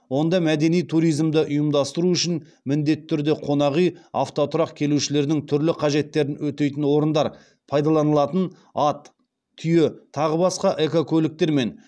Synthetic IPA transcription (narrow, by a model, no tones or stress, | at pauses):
wo̞nd̪ɑmæd̪e̞nijt̪ʰuɾijzmd̪ɪʔʊjəmd̪ɑst̪əɾuʏʃɪn | mɪnd̪e̞t̪ːɪt̪ːʰʏɾd̪e̞qʰo̞nɑʁija̰ft̪o̞t̪ʰʊɾɑqkʲʰe̞luʃɪle̞ɾd̪ɪŋt̪ʰʏɾlɪqʰɑʒe̞t̪ːe̞ɾɪnwɵt̪e̞jt̪ɪnwo̞ɾənd̪ɑɾ | pʰɑjd̪ɑlˠɑnəlˠɑt̪ən | ɑt̪ʰː | ʏjet̪ʰɑʁəbɑsqɑʔe̞kokʲʰɵlɪk̚t̪e̞ɾme̞n